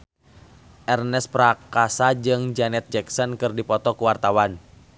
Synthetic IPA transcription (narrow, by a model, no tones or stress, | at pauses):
ʔɛrnɛspɾakasad͡ʒɨŋd͡ʒanɛt̪̚d͡ʒɛksɔnkɨrdipɔt̪ɔkuwart̪awan